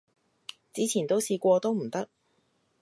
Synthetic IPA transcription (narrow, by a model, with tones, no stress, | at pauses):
t͡siː˨˥t͡sʰiː˨˩nt̪o˥wsiː˨˧kʷɔː˧t̪o˥wm̩˨˩t̪ɐ˥k̚